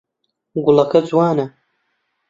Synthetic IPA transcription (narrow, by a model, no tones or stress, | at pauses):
ɡʊlɐkɐd͡zwaːnɐ